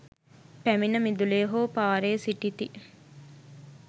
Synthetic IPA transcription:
pæminəmid̪uleːɦoːpaːɾeːsiʈit̪i

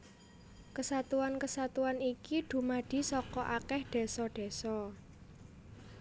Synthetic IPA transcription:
kəsat̪uankəsat̪uanikiɖ̪̥ṳmaɖ̥i̤sɔkɔʔakɛhɖ̪̥e̤sɔɖ̥e̤sɔ

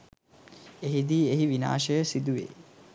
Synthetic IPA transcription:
eɦid̪iːeɦiʋina̰ːʃəjəsid̪uʋḛː

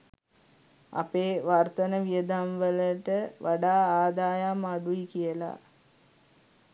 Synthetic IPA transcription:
a̰peːʋart̪ənəʋijəd̪amʋələʈəʋʔaɖaːaːd̪aːjamaɖuikijəla̰

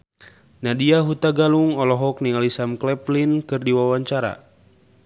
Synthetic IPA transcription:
nadiaɦut̪aɡaluŋɔlɔɦɔk̚niŋalisamklɛplinkɨrdiwawaɲt͡ʃaɾa̰

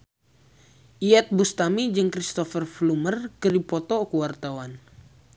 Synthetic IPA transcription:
ʔiat̪̚bust̪amid͡ʒɨŋkɾist̪ɔfərflumərkəɾipɔt̪ɔkəwart̪awan

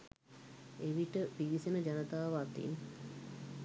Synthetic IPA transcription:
eʋiʈəpiʋisenəd͡ʒanət̪aːʋaːt̪ḭn

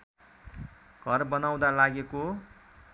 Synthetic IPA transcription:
ɡ̥ʱʌrbʌnaw̃d̪alaɡeko

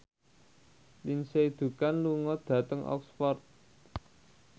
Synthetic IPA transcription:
linseid̪̥ṳkanluŋɔd̪̥ä̤t̪əŋʔɔ̰ksfɔrt̪̚

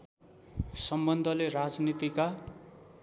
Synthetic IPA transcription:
sʌmbʌnd̪ʱʌlerad͡znit̪ika

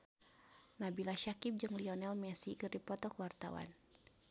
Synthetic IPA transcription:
nabilaʃakip̚d͡ʒɨŋliɔnɛlmɛsiɡɨrdipɔt̪ɔkəwart̪a̰wa̰n

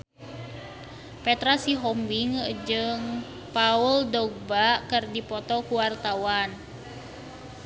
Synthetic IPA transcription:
pɛt̪ɾasiɦɔmbiŋd͡ʒɨŋ | pauldɔɡ̚bakɨrdipɔt̪ɔkuwart̪awan

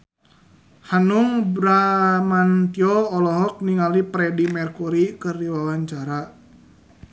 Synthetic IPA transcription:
hanuŋbɾamant̪iɔːlɔɦɔk̚niŋalipɾɛdimɛrkuɾikɨrdiwawaɲt͡ʃaɾa

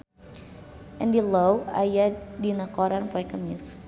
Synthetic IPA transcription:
ʔɛndilowa̰jadinakɔɾanpɔɛkəmis

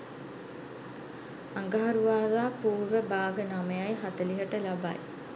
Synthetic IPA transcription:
aŋɡaɦaɾuʋaːdaːpuːɾʋəbaːɡənaməjajɦat̪əliɦəʈəlaba̰j

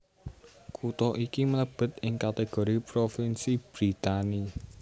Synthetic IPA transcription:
kʰut̪ɔʔikimələb̥ə̤t̪ɪŋkat̪eɡ̥o̤ɾipɾofinsib̥ɾit̪ani

